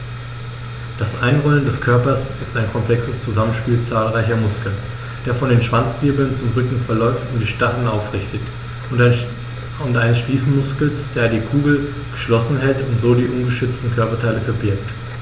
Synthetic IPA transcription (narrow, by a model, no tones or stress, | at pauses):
d̥asʔaɪnʁɔləndɛskʰœɐpɐsɪstaɪnkʰɔmpl̥ɛksəst͡suzamənʃpiːlt͡saːlʁaɪçɐmʊskl̩ | d̥eːɐfɔndeːnʃv̥ant͡sb̥ɪɐbl̩nt͡sʊmʁʏkŋ̩fɛɐlɔʏftʊnd̥iːʃtaχənaʊfʁɪçtət | ʊntʔaɪnəsʃliːsn̩mʊskl̩sd̥eːɐdiːkʰuːɡl̩ | ɡ̥əʃlɔsn̩ɦɛltʊntz̥oːdiːʔʊnɡəʃʏt͡stn̩kʰœɐpɐtʰaɪləfɛɐbɪɐk̚t